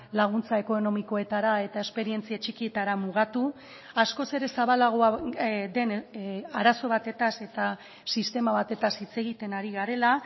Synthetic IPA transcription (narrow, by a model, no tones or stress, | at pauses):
laɣ̞unt͡sae̞ko̞no̞miko̞e̞t̪aɾae̞t̪ae̞spe̞ɾie̞nt͡siat͡ʃikie̞t̪aɾamuɣat̪u | asko̞se̞ɾe̞saβalaɣ̞oad̪e̞naɾaso̞βat̪e̞t̪ase̞t̪a | sist̪e̞maβat̪e̞t̪asit͡se̞ɣit̪e̞naɾiɣaɾe̞la